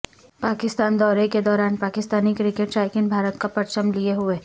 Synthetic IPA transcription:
paːkɪst̪aːnd̪ɔːɾeked̪ɔːɾaːnpaːkɪst̪aːnikɾɪkeʈt͡ʃaːɪkɪnbʱaːɾət̪kapɐɾt͡ʃəmlieɦʊeː

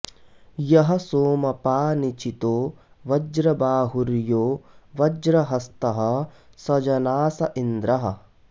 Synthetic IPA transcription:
jɐɦɐsoːmɐpaːnit͡ʃit̪oː | ʋɐd͡ʒɾɐbaːɦuɾjoːʋɐd͡ʒɾɐɦɐst̪ɐɦɐ̆ | sɐd͡ʒɐnaːsɐʔind̪ɾɐɦɐ̰̆

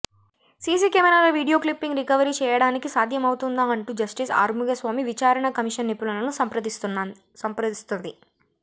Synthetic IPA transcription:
siːs̬iːkemɐɾaːloʋiːɽijoːklipːiŋɡɾikɐʋɐɾiːt͡ʃɛːjɐɽaːnikisaːd̪ʱjɐmɐwut̪und̪aːɐɳʈuːd͡ʒɐsʈisa̰ːɾmuɡɐsʋaːmiʋit͡ʃaːɾɐɳɐkɐmiʂɐnːipːulɐlɐnusɐmpɾɐd̪ist̪un | sɐmpɾɐist̪und̪i

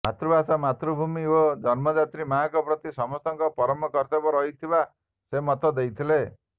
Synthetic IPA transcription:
mat̪ɾɔbasamat̪ɾubʱumiod͡ʒɔnmɔd͡ʒat̪ɾimaɦakɔpɾɔt̪isɔmɔst̪ɔŋkɔpɔɾɔmɔkɔɾt̪abɔɾɔit̪ʰiba | semɔt̪ɔd̪ejt̪ʰile

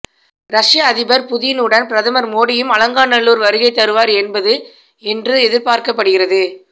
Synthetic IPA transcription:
ɾɐʂɪjaːðɪbɐɾpʊðɪjɪnɯɽɐnpɪɾɐðɐmɐɾmoːɽɪjɯmɐlɐŋɡaːnɐɭːuːɾʋɐɾɯɣɐɪt̪ːɐɾɯʋaːɾɛnbɐðɯ | ɛndrɯɛðɪɾpaːɾkɐp̬ːɐɽɯɣɪrɐðɯ

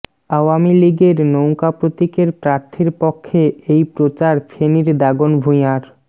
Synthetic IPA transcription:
awamiliɡeɾnowkapɾot̪ikeɾpɾaɾt̪ʰiɾpɔkʰːeejpɾot͡ɕaɾfʰeniɾd̪aɡonbʱuj̃aɾ

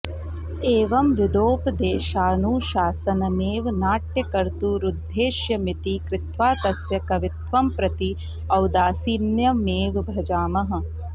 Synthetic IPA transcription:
eːʋɐmʋɪd̪oːpd̪eːʃaːnuːʃaːsɐnɐmeːʋnaːʈjɐkɐɾt̪uɾud̪ʱːeːʃjɐmɪt̪ikɾɪt̪ʋaːt̪ɐsjɐkɐʋɪt̪ʋɐmpɾɐt̪i | ɐwd̪aːsiːnjɐmeːʋbʱɐd͡ʒaːmɐɦɐ̆

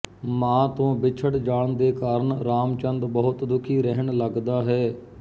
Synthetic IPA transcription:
mãːt̪õːbɪt͡ʃʰəʈd͡ʒaːɳd̪eːkaːɾəɳɾaːmt͡ʃənd̪bəɦʊt̪d̪ʊkʰiːɾɛɦəɳləɡd̪aːɦɛː

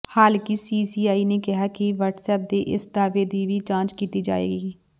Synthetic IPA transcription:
haːlkisiːsiːaːiːneːkɪɦaːkɪʋəːʈsɛːp̚d̪eːʔɪsd̪aːʋeːd̪iːʋiːt͡ʃãːnt͡ʃkiːt̪iːd͡ʒa̰ːḛːɡiː

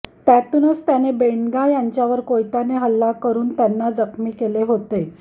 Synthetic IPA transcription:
t̪at̪uːnət͡st̪janebeɳɡajaɲt͡ɕjaʋəɾkojt̪aneɦəlːakəɾuːnt̪janːad͡zəkmiːkeleɦot̪e

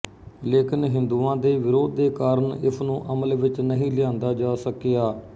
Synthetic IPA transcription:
leːkɪnɦɪ̃nd̪uːãːd̪eːʋɪɾoːd̪̚ːeːkaːɾəɳɪ̰sʰnũːʔəməlʋɪt͡ʃnəɦĩːlɪjãːnd̪aːd͡ʒaːsəkjaː

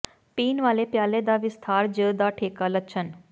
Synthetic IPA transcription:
piːnʋalepjaled̪aʋɪst̪ʰaɾd͡ʒəd̪aʈʰekaləʃʰən

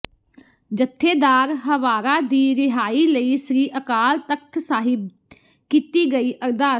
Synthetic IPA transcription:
d͡ʒət̪ʰːeːd̪aːɾɦəʋaːɾaːd̪iːɾɪɦaːiːləiːsɾiːʔəkaːlt̪ək̚t̪ʰsaːɦɪb̚ | kiːt̪iːɡəiːʔəɾd̪aː

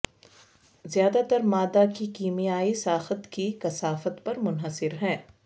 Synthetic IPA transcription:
zjaːd̪at̪ɐɾmaːd̪akikiːmijaːisaːxət̪kikɐsaːfət̪pɐɾmʊnɦəsɪɾɦɛ̃ː

